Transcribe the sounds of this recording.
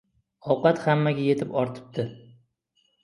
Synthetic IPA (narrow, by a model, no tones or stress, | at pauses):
ɒwqɑt̪hamːaɡʲaje̞t̪ʰɪpɒɾt̪ʰɪ̥p̚t̪ʰɪ